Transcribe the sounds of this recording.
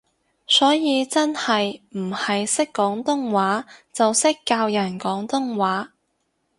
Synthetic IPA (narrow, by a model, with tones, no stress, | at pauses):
sɔː˨˥jiː˨˧t͡sɐ˥nhɐ˨jm̩˨˩hɐ˨jsɪ˥kːɔː˨˥ŋt̪ʊ˥ŋwaː˨˥t͡sɐ˨wsɪ˥kːaː˧wjɐ˨˩nkɔː˨˥ŋt̪ʊ˥ŋwaː˨˥